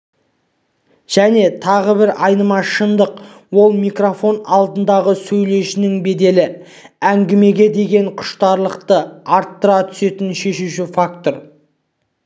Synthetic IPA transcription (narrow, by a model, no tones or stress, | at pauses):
ʒ̥æne̞t̪ʰɑʁəbɪɾɑjnəmɑʃənd̪əq | wo̞lˠmijkro̞fo̞nɑlˠd̪ənd̪ɑʁəsɵjle̞ʃɪnɪŋbe̞d̪e̞lɪ | æŋɡʲɪme̞ɡʲe̞d̪e̞ɡʲe̞ɴqʰʊ̥ʃt̪ɑɾlˠəq̚t̪əɑɾt̪ːəɾɑt̪ʰʏ̥se̞t̪ɪnʃe̞ʃuʃɪfak̚t̪o̞ɾ